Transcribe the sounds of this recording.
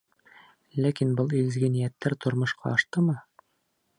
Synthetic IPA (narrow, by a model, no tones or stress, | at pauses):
lækinbɤlˠilɘ̆zɡɘnijæt̪ːæɾt̪ŏɾmŏʃqʰɑ̰ɒʃt̪ɤmɤ